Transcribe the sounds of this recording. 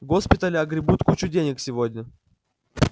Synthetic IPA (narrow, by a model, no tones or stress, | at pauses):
ɡospʲɪt̪əlʲɪɐɡɾʲɪbut̪kut͡ɕʊdʲenʲɪksʲɪvodʲnʲə